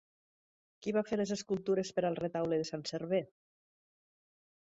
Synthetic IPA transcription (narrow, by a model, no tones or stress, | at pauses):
kiβafeɾlezeskulˠt̪uɾespəɾalˠret̪awleðesanseɾβe